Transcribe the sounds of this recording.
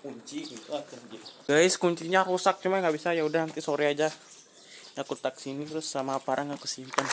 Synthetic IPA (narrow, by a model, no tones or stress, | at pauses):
kuɲt͡ʃiit̪uakand͡ʒiɡaɪskuɲt͡ʃiɲaɾusak̚t͡ʃumanɡabisajaudahnant̪isoɾɛad͡ʒa | ŋakut̪aksinit̪ɾʊsːamaːpaɾaŋakusimpan